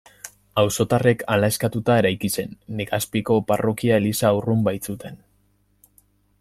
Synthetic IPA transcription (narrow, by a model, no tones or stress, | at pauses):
awso̞t̪are̞kʰalae̞skat̪ut̪ae̞ɾajkise̞nːikaspiko̞paro̞kiaelisaurumbajt͡sut̪e̞n